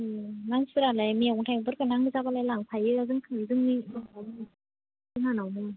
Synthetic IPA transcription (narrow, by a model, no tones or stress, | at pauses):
ɯnaŋsɯɾalajmiawɔŋtʰajbɯɾkɯnaŋɯzabalajlaŋpʰajɯazɯŋkʰɯnzɯŋnibɯŋawmɯ | zɯŋanawmɯ